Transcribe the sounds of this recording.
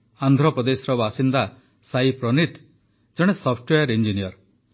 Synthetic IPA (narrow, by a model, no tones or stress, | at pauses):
and̪ʱɾɔpɔd̪esɔɾɔbasind̪a | saipɾɔnit̪ | d͡ʒɔɽ̃esɔpʰʈwejɔɾind͡ʒinijɔɾ